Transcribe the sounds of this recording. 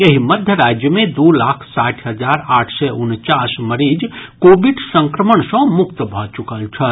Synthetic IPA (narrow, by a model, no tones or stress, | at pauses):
jeɦiməd̪ʱjəɾad͡ʒjəmẽd̪ulakʰsaʈʰɦəd͡ʒaɾaʈʰsɛunt͡ʃasməɾid͡ʒkobiɖsə̃ŋkɾəməɳsə̃mukt̪əbʱɔt͡ʃukəlt͡ʃʰə